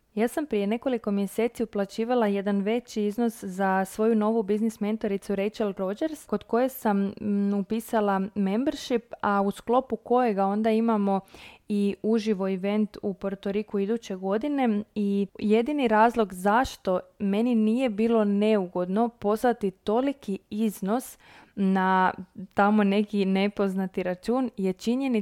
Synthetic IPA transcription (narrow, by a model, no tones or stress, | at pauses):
jaːsampɾije̞ne̞ko̞liko̞mje̞se̞ːt̪siuplat͡ɕiːʋalˠaje̞d̪anʋe̞t͡ɕiizno̞szasʋo̞juno̞ʋubiznisme̞nt̪oɾit̪suɾejt͡ʃald̪ɾo̞d͡ʒeɾsko̞d̪ko̞je̞samupiːsalˠame̞mbeɾʃipausklˠo̞puko̞je̞ɡao̞nd̪aimamo̞iuʒiʋo̞iʋe̞nt̪upo̞ɾt̪oɾikuid̪ut͡ɕe̞ɡo̞d̪ine̞ije̞d̪iniɾaːzlˠo̞ɡzaʃt̪o̞me̞ninije̞biːlo̞ne̞uɡo̞d̪no̞po̞slat̪it̪o̞likiizno̞s | nat̪amo̞ne̞kine̞po̞znat̪iɾat͡ʃuːnje̞t͡ʃiɲe̞ni